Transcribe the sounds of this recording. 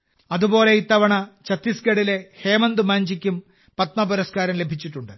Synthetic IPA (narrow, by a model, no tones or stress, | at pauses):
ɐðubo̞ːle̞it̪ːɐʋɐɳɐt͡ɕɐt̪ːisɡeɽile̞heːmɐnd̪umaːɲd͡ʑikʲːum | pɐt̪̚mɐpuɾɐskaːɾɐmle̞bʱit͡ɕːiʈːuɳɖɨ